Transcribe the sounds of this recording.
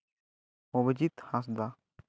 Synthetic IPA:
obəd͡ʒit̪hãs̬d̪a

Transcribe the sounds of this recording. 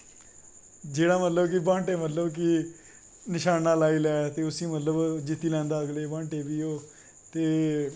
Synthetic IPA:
d͡ʒeːɽaːmət̪ləbkɪbãːɳʈeːmət̪ləbkɪ | nɪʃaːnaːlaːiːlɛːt̪eːʊsĩːmət̪ləbd͡ʒɪt̪ːiːlɛ̃ːnd̪aːəɡleːbãːɳʈeːbiːoː | t̪eː

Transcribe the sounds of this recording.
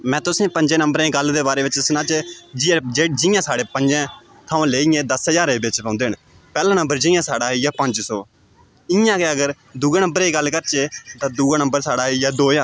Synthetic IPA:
mɛ̃ːt̪ʊsẽːpəɲd͡ʒẽːnəmbəɾẽːɡəld̪eːbaːɾeːʋɪt͡ʃsnãːt͡ʃeːd͡ʒɪd͡ʒeːd͡ʒɪjãːsaːɽeːpəɲd͡ʒɛ̃ː | t̪ʰaːõːleːiːẽːd̪əsəd͡ʒaːɾeːbɪt͡ʃpãːnd̪eːɦən | pɛːlãːnə̃mbəɾd͡ʒɪjãːsaːɽaːijaːpəɲd͡ʒsɔː | ɪjãːkeːəɡəɾ | d̪uːɡaːnə̃mbəɾeːɡəlːkəɾt͡ʃeːt̪ãːd̪uːɡaːnəmbəɾsaːɽaːijaːd̪oːjãː

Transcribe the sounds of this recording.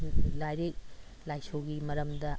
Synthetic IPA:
lajɾek̚lajsoɡimɐɾɐmd̪ɐ

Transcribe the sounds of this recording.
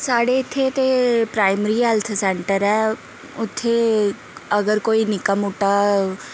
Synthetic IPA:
saːɽeɪt̪ʰːet̪epɾaːɪməɾiːɦɛːlt̪ʰsɛːɳʈəɾɛː | ʊt̪ʰːe | əɡəɾkoːiːnɪkəmʊʈaː

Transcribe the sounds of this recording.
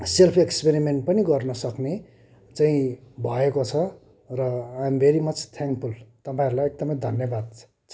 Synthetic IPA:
selpʰekspeɾimeɳʈ̚pʌniɡʌrnʌsʌkne | t͡saĩbʱʌekot͡sʰʌ | rʌajmbʱeɾimʌt͡st̪ʰãŋkpʰult̪ʌpãĩʌɾulajek̚d̪ʌmʌ̃jd̪ʱʌnjʌbad̪̚ʰ | t͡sʰʌ

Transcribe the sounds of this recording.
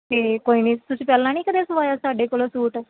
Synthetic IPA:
k̪eːkoːiːnĩːt̪ʊsĩːpɛːlãːniːkəd̪eːsəʋaːjaːsaːɖeːkoːloːsuːʈ

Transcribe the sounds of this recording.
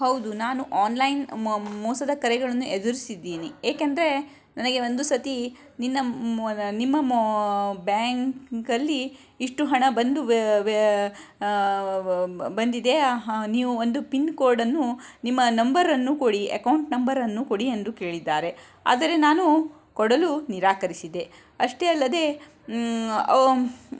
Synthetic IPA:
hɐwd̪unaːnuʔaːnlɐjnmɔːsɐd̪ɐkɐɾɛɡɐɭɐnːuʔed̪uɾisid̪ːiːnieːkɐnd̪ɐɾe̞ | nɐnɐɡe̞o̞nd̪usɐt̪i | ninːɐ | nimːɐm | baːŋkkɐlːi | iʂʈuɦɐɳɐbɐnd̪u | bɐnd̪id̪e̞niːʋuond̪upinkoːɾɖɐnːunimːɐnɐmbɐɾɐnːukoɽiḛkɐwuɳʈnɐmbɐɾɐnːukoɽiend̪uke̞ːɭid̪ːaːɾe̞ | a̰ːd̪ɐɾe̞naːnu | kɔɽɐluniɾaːkɐɾisid̪e̞ | ɐʂʈeɐlːɐd̪e̞ | ɐ

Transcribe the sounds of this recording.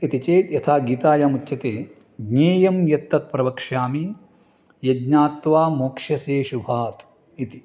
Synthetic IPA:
it̪it͡ʃeːt̪jɐt̪ʰaːɡiːt̪aːjaːmutːʃɐt̪eː | ɡɲeːjɐmjɐt̪ːɐt̪̚pɾɐbɐkʂaːmi | jɐdɲaːt̪ʋaːmoːkʂɐseːʃubʱaːt̪ | it̪i

